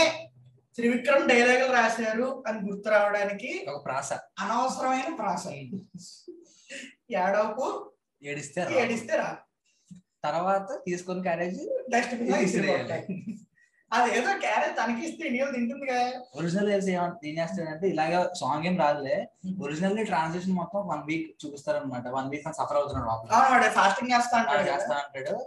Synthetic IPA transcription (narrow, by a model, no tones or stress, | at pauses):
e | t̪ɾiʋikɾɐmɖɐjlaːɡɐlɾaːʃaːɾuɐniɡuɾt̪uɾaːʋɐɽaːnikiɔkɐpɾaːsɐɐnɐʋɐsɐɾɐmɐjnɐpɾaːsɐ | jaːɽoːku | eːɽist̪eːɾaeːɽist̪eːɾaː | t̪ɐɾʋaːt̪ɐt̪iːsu̥konik̬aːɾeːd͡ʒɖɐsʈɐpiisɾee | ɐd̪ieːd̪oːkaːɾeːd͡ʒt̪ɐnɐkiist̪einijumd̪iɳʈund̪iɡaoɾid͡ʒinɐleːs̬eːʋɐeːnd͡ʒeːst̪eɐɳʈeilaːɡaːsaːŋɡeːmɾaːd̪uleː | oɾid͡ʒinɐlːiʈɾaːnseʂ̬ɐnmɔt̪ːɐ̃mʋɐnʋiːkt͡ʃuːpist̪aːɾɐnmaːʈ̬ɐʋɐnʋiːk̚ɐnsɐpʰɐɾɐwt̪unːɐːɾmaːbɐawnɐʈɐpʰaːsʈiŋɡd͡ʒɛːst̪aːɐɳʈaːd͡ʒɛːst̪aːɐɳʈaːɽu